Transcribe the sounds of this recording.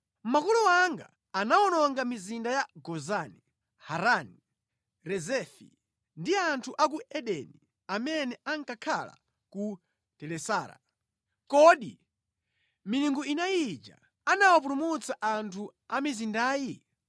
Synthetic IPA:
makɔlɔwaŋɡa̰ː | naɔnɔŋɡamizindajaɡɔzani | haɾani | ɾɛzɛfḭ | ndiantʰuʔak̬uʔɛɗɛni | amɛnɛʔaŋkakʰala̰ | ku | tɛlɛsaːɾa̰ | kɔɗi | miniŋɡuinajid͡ʒa̰ | anawap̬ulumut͡saʔantʰuamizindaːji

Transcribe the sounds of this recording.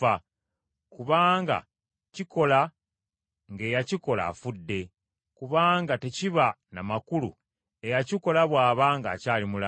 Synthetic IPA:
a | kuβaːŋɡa̰ | ciko̞la | ŋɡe̞ːjaciko̞la̰fudːe̞ | kuβaːŋɡate̞ciβa | namakulṵ | e̞jaciko̞laβwaːβaːŋɡa̰ːcaːlimula

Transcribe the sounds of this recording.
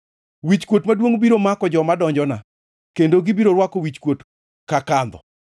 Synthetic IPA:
wit͡ʃkwotmadwoŋbiɾomakɔd͡ʒɔmadɔɲd͡ʒɔna | kendoɡɪbiɾoɾwakowit͡ʃkwot | kakand̪ɔ̰

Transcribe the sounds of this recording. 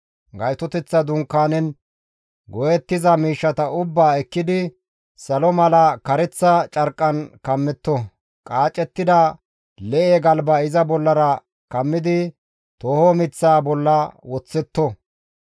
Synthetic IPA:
ɡɐjt̪ɔt̪ɛt͡sːɐd̪ʊŋkːaːnɛn | ɡɔjɛt̪ːɪzɐmiːʃːɐt̪ɐʊbːaːɛkːɪd̪ɪ | sɐlɔmɐlɐkɐɾɛt͡sːɐt͡ʃʼɐɾkʼːɐnkɐmːɛt̪ːɔ | kʼaːt͡ʃʼɛt̪ːɪd̪ɐ | lɛʔeɡɐlbɐɪzɐbɔlːɐɾɐ | kɐmːɪd̪ɪ | t̪oːhɔmɪt͡sːaːbɔlːɐwɔt͡sːɛt̪ːɔ

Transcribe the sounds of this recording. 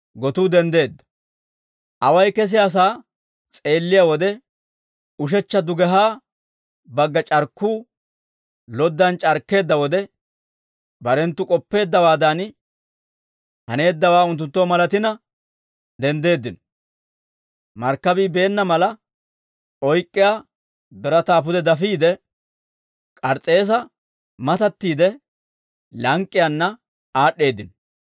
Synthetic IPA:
ɡɔt̪uːd̪ɛnd̪e̞ːd̪ːɐ̥ | ʔɐwɐjkɛs̬ɪjaːs̬aː | t͡sʼe̞ːlːɪjawɔd̪ɛ | ʊʃ̬ɛt͡ʃːɐd̪ʊɡɛɦaː | bɐɡːɐt͡ʃʼɐɾkːuː | lɔd̪ːɐnt͡ʃʼɐɾkːe̞ːd̪ːɐwɔd̪ɛ | bɐɾɛnt̪ːʊkʼɔpːe̞ːd̪ːɐwaːd̪an | hɐne̞ːd̪ːɐwaːʊnt̪̬ːʊnt̪ːoːmɐlɐt̪ɪnɐ | d̪ɛnd̪e̞ːd̪ːɪn | mɐɾkːɐbiːbe̞ːnːɐmɐlɐ | ʔɔjkʼːɪjaː | b̪ɛɾɐt̪aːp̬ʊd̪ɛd̪ɐfiːd̪ɛ | kʼɐɾt͡sʼe̞ːs̬ɐ | mɐt̪ɐt̪ːiːd̪ɛ | lɐŋkʼːɪjɐnːɐ | aːɗːe̞ːd̪ːɪnɔ

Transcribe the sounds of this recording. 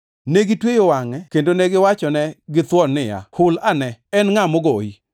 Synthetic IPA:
neɡɪtwejowaŋɛkendonɛɡɪwat͡ʃɔnɛɡɪt̪wɔnːɪja̰hʊlanɛɛnŋamɔɡoi

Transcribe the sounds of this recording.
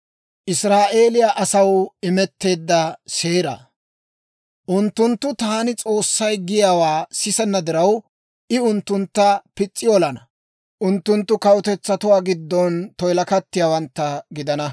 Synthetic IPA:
ʔɪsɾaːʔe̞ːlɪjaʔɐsɐwɪmɛt̪ːe̞ːd̪ːɐseːɾɐ̰ | ʔʊnt̪ːʊnt̪ːʊt̪aːnɪt͡sʼo̞ːsːɐjɡɪjaːwaːsɪsɛnːɐd̪ɪɾɐw | ʔɪʊnt̪ːʊnt̪ːɐpɪt͡sʼːɪɔlɐnɐ | ʔʊnt̪ːʊnt̪ːʊkɐwʊt̪ɛt͡sːɐt̪ʊwaːɡɪd̪ːɔnt̪ɔjlɐkɐt̪ːɪjaːwɐnt̪ːɐɡɪd̪ɐnɐ

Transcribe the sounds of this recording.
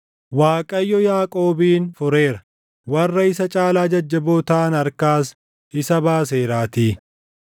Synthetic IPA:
waːkʼɐjːɔjaːkʼo̞ːbiːnfʊɾe̞ːɾɐ | wɐrːɐɪsɐt͡ʃʼaːlaːd͡ʒɐd͡ʒːɐboːt̪aːnɐɾkaːs | ʔɪsɐbaːs̬eːɾaːt̪iː

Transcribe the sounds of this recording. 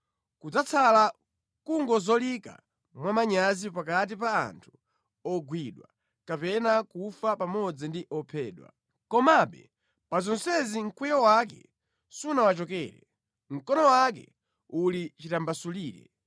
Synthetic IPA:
kud͡zat͡sʰala | kuŋɡɔzɔlika̰ | mwamaɲazipakat̬ipa̰ːntʰu̥ | ɔɡwiɗwa | kapɛnakufapamɔd͡zindiʔɔpʰɛːɗwa̰ | kɔmaɓɛ̰ | pazɔnsɛziŋ̩kʰwɛjɔwak̬ɛ̰ | sunawat͡ʃɔkɛ̰ːɾɛ | ŋ̩kɔnɔwak̬ɛ̰ | ulit͡ʃitambasuliːɾɛ̰

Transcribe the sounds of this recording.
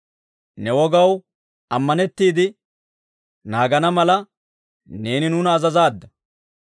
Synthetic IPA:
nɛwɔɡɐw | ɐmːɐnɛt̪ːiːd̪ɪ | naːɡɐnɐmɐlɐ | ne̞ːnɪnʊːnɐːzɐzaːd̪ːɐ

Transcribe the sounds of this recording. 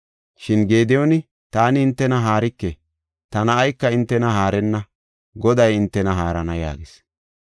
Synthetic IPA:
ʃɪnɡe̞ːd̪ɛjɔnɪ | t̪aːnɪɪnt̪ːɛnɐɦaːɾɪkːe | t̪ɐnɐːjkːɐɪnt̪ːɛnɐɦaːɾɛnːɐ | ɡɔd̪ɐjɪnt̪ːɛnɐɦaːɾɐnɐja̰ːɡɪs

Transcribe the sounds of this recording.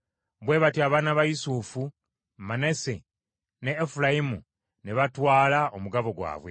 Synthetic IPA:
βwe̞ːβatiaːβaːnaβajisufu | manesḛ | neːfulajimu | neβatwaːlaomuɡaβo̞ɡwa̰ːβwe̞

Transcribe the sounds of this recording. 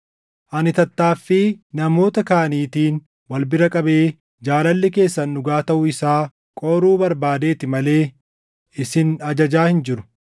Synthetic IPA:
ʔɐnɪt̪ɐt̪ːaːfːɪnɐmo̞ːt̪ɐkaːɐniːt̪iːn | wɐlbɪɾɐkʼɐbe̞ː | d͡ʒaːlɐlːɪke̞ːsːɐnːʊɡaːt̪ɐʔʊɪsaː | kʼoːɾuːbɐɾbaːd̪e̞ːt̪ɪmɐle̞ː | ɪsɪnɐd͡ʒɐd͡ʒaːhɪnd͡ʒɪɾʊ̥

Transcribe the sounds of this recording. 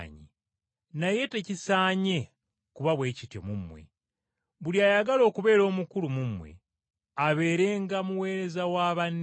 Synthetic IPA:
ɲḭ | naje̞te̞cisaːɲe̞ | kuβaβwe̞ːcitjo̰mumːwe̞̰ | βuliaːjaɡalo̞ːkuβe̞ːɾo̞ːmukulumumwḛ | aβe̞ːɾe̞ːŋɡamuwe̞ːɾe̞zawaβanː

